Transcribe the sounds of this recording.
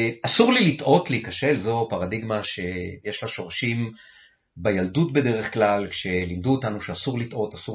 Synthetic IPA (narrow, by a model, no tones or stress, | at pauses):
asuʁlilitʔo̞tliikaʃe̞lzo̞paʁadiɡmaʃe̞jeʃlaʃo̞ʁaʃim | bajaldutbe̞de̞ʁe̞χklalkʃe̞limd̪uotanuʃeasuʁlitʔo̞tasu